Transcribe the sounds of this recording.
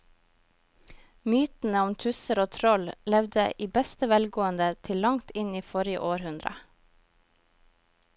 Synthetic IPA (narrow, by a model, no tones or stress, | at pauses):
myːt̪n̩əɔmt̪ʰʉsəɾoːt̪ʰɾɔllɛʋd̪əʔiːbɛst̪əʋɛlɡoːənd̪ət̪ʰɪllɑŋt̪ɪniːfɔɾɪə̰ʔoːɾhʉnd̪ɾə̰